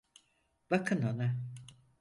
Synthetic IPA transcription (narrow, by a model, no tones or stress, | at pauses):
bakʰɯnona